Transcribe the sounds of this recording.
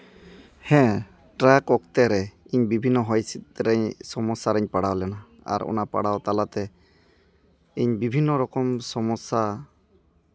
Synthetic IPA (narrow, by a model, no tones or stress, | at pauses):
hɛ̃ | ʈɾakɔkt̪ɛɾɛiɲbibʱinːɔɦɔjsit̪̚ɾɛɲsɔmɔsaɾɛɲpaɽawlɛna | a̰ɾɔ̰napa̰ɽawt̪alat̪ɛ | iɲbibʱinːɔɾɔkɔmsɔmɔsa